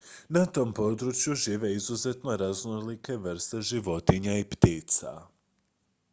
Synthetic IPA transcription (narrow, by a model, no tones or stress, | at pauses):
nat̪o̞mpo̞d̪ɾut͡ʃjuʒiːʋe̞izuze̞t̪no̞ɾaznolike̞ʋr̩st̪e̞ʒiʋo̞t̪iɲaipt̪iːt̪sa̰